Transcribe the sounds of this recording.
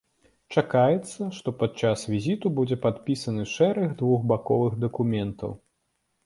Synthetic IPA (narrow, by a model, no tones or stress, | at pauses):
t͡ʂakajɛt̪sːɐʂt̪ɔpat̪̚t͡ʂasvʲizʲit̪ubud͡zʲɛpat̪pʲisɐnɨʂɛɾɐɣd̪vuɣbakɔvɨɣd̪ɐkumʲɛnt̪ɐ̰w